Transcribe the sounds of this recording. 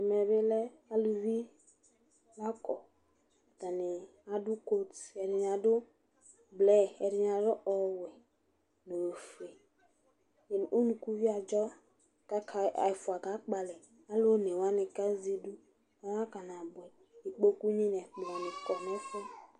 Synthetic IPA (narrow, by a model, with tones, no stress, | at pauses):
ɛ˨mɛ˨be˦lɛ˦ | a˦lu˨vi˦ | la˦kɔ˨ | ta˨nɪ˨ | a˨dʊ˦ko˦tɛ˨dɪ˨n˨a˨dʊ˦ | blɛ˦ɛ˨dɪ˨n˨a˨dʊ˦ʔɔ˨wɛ˨ | no˨o˨fe˨ | e˨n˨o˦nũ˨ku˦vi˦a˨d͡ʒɔ˦ | ka˦kʰa˨a̰˨fʊ˨a˨ka˨˦k͡pa˨lɛ˨ | a˦lo˦nɛ˨wa˦nɪ˨ka˦zi˦du˦ | a˦wa˦ka˨na˨bʊ˨ɛ˨ | i˨k͡po˦ku˦ɲi˦n˨ɛ˨k͡pu˨wa˨nɪ˨kɔ˨nɛ˦fɛ˦